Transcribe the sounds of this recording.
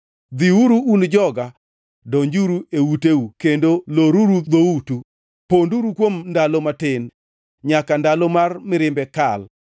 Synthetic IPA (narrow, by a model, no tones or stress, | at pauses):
d̪iuɾuːnd͡ʒɔɡa | doɲd͡ʒuɾueuteukendoloɾuɾud̪outu | ponduɾukwomndalomatɪn | ɲakandalomarmɪɾɪmbɛkal